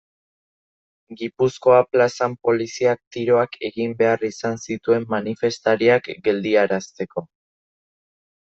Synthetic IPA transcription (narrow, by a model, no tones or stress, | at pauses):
ɡipusko̞aplasampo̞lisiak̚t̪iɾo̞akʰe̞ɣimbe̞arisansit̪ue̞mːanife̞st̪aɾiakɡe̞ld̪iaɾast̪e̞ko̞